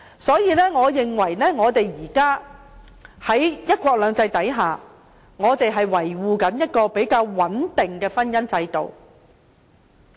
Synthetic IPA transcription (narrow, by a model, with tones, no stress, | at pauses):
sɔː˨˥jiː˨˧lɛː˥ŋɔː˨˧jɪ˨ŋwɐ˨˩jlɛː˥ŋɔː˨˧t̪e˨jjiː˨˩kaː˥ | hɐ˨˥jjɐ˥t̚kʷɔː˧k̚lœː˨˧ŋt͡sɐ˧jt̪ɐ˨˥jɦaː˨ | ŋɔː˨˧t̪e˨jɦɐ˨jwɐ˨˩jwuː˨kɐ˨˥njɐ˥t̚kɔː˧pe˨˥jkaː˧wwɐ˨˥nt̪ɪ˨ŋkɛː˧fɐ˥njɐ˥nt͡sɐ˧jt̪o̰˨w